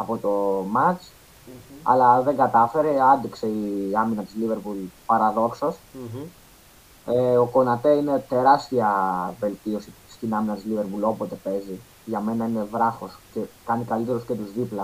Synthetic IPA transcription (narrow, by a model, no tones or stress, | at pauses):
ɐpo̞t̪o̞mɐt͡s | ɐ̰lɐðe̞ŋɡɐt̪ɐfe̞ɾe̞ɐnd̪ikse̞iɐminɐt̪izlive̞ɾpulpɐɾɐðo̞ksos | eo̞ko̞nɐt̪e̞ine̞t̪e̞ɾɐst̪iɐve̞lt̪io̞si | st̪inɐminɐt̪izlive̞ɾpulo̞po̞t̪e̞pe̞zi | ʝɐme̞nɐine̞vɾɐxo̞sce̞kɐnikɐlit̪e̞ɾuscet̪uzðiplɐ